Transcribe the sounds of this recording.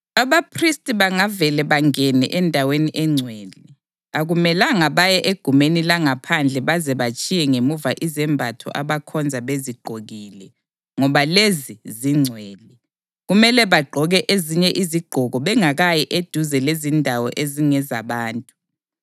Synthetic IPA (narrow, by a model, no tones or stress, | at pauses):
aβapʰristʼiβaŋavɛlɛβaŋɛnɛ̰ʔɛndʱaweniʔɛŋ͡ǀʱwɛːlɛ | aɣumɛlaŋaβajɛʔeɡ̥ʱumenilaŋapʰand͡ɮʱɛβazɛβat͡ʃʼijɛŋemuvaʔizɛmbʱatʰɔ̰ʔaβakʰɔnd͡zʱaβeziɡ͡ǃʱoɣilɛ | ŋɔβaleziziŋ͡ǀʱwɛːlɛ | ɣumɛlɛβaɡ͡ǃʱɔɣɛʔeziɲɛʔiziɡ͡ǃ̥ʱɔɣɔβɛŋaɣajɛʔed̥ʱuzɛlezindʱawɔʔeziŋɛza̰βaːntʼu̥